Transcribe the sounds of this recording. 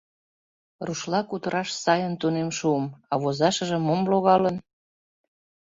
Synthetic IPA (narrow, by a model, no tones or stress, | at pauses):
ruʃlɑkut̪əɾɑʃsɑjənt̪unemʃuəmɑβozɑʃəʒə̆momloɣɑlən